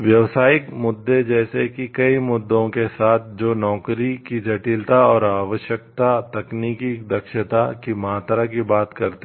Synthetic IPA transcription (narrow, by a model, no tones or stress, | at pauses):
ʋjɐʋsaːɪkmʊd̪ːed͡ʒɛːsekikɐimʊd̪ːõkesaːt̪ʰd͡ʒoːnɔːkɾikid͡ʒɐʈilt̪aɔːɾaːʋəʃjək̚t̪at̪ɐkniːkid̪ɐkʃət̪akimaːt̪ɾak̬ibaːt̪kɐɾt̪